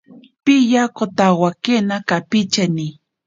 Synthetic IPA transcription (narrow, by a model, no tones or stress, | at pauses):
pijakot̪awakenakapit͡ʃani